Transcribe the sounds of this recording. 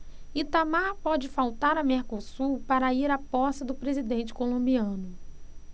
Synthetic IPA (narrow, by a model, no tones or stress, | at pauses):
it̪amaɾpɔd͡ʒɪfawt̪aɾɐmeɾkosupaɾɐiɾapɔsɐd̪ʊpɾezid̪ẽnt͡ʃɪ̥kolõmbiɐ̃nʊ